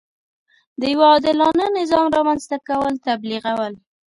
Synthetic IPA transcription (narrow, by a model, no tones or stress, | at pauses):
d̪əjwaɑd̪ɪlɑnənɪzɑmɾɑmanzt̪akawəlt̪abliɣawəl